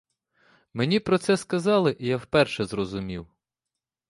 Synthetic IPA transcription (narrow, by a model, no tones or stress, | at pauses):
menʲipɾɔt̪sɛskɐzɑlˠɪʔijawpɛrʃɛzrɔzʊmʲiw